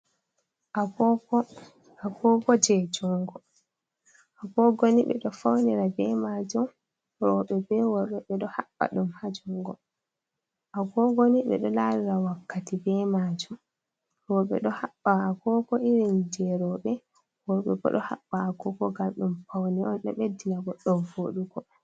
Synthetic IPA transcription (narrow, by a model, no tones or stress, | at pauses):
ʔa | akɔɡɔd͡ʒɛd͡ʒuŋɡɔ | ʔakɔɡoniɓɛ̰ɗɔfawniɾabɛmad͡ʒum | ɾɔɓɛbɛwɔɾɓɛɓɛɗɔhaɓːa̰ɗumhad͡ʒuŋɡɔ | ʔakɔɡoniɓɛ̰ɗɔlaɾiɾawakːatibɛmad͡ʒum | ɾɔɓɛ̰ɗɔhaɓːaːkɔkɔʔiɾind͡ʒɛɾɔɓɛ | wɔɾɓɛ̰ɡɔ̰ɗɔha̰ɓːaakɔkɔɡamɗumfawniɔnɗɔ̰ɓedːinaɡɔɗɔvoɗuɡɔ